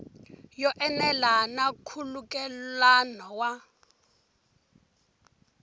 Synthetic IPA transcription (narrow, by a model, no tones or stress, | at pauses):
jɔʔɛnɛlanakʰulukʼɛlanɔwa